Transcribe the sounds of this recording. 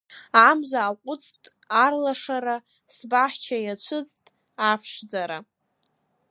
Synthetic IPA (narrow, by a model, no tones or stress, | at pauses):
amzaːqʷʼʊt͡sʼtʼ | arlaʂaɾa | sbaħt͡ʃʰajat͡ɕʷʰɨt͡sʼtʼ | afʰʂd͡zaɾa